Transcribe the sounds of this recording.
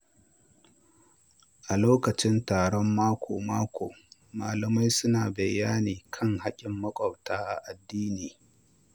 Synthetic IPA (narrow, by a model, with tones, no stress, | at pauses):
ʔa˨loː˦kɐ˨t͡ʃɪ˦ntaː˨ɽɔ˦mːaː˦kʷʰoː˨maː˦kʷʰoː˨maː˨lɐ˨ma˦jsʊ˦naː˨bɐ˨jːaː˦niː˨kʰɐ˦ŋha˦kʲʼɪ˨mːɐ˦kʷʼɐ˨wtaː˦ʔa˨ʔa˨dːiː˦niː˨